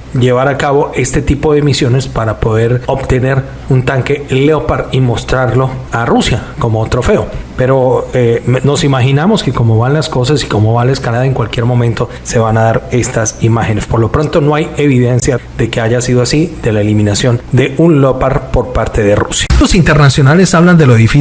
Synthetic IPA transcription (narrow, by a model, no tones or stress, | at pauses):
d͡ʒe̞βaɾakaβo̞ʔe̞st̪e̞t̪ipo̞ðe̞misjo̞ne̞spaɾapo̞ðe̞ɾo̞bt̪e̞ne̞ɾ | unt̪aŋke̞leopaɾimo̞st̪ɾaɾlo̞arusjako̞mot̪ɾo̞fe̞o̞pe̞ɾo̞eno̞simaxinamo̞ske̞ko̞mo̞βanlasko̞sasi̥ko̞mo̞βanlaeskalaðaeŋkwalkje̞ɾmõ̞mẽnt̪o̞ | se̞βanaðaɾe̞st̪asimaxe̞ne̞spoɾlo̞pɾo̞nt̪o̞no̞ajeβiðe̞nsjaðe̞keaʝasiðoasid̪e̞laelimĩnasjo̞nd̪e̞unlopaɾpo̞ɾpaɾt̪e̞ðerṵsjalosint̪e̞ɾnasjo̞nale̞saβland̪eloðifi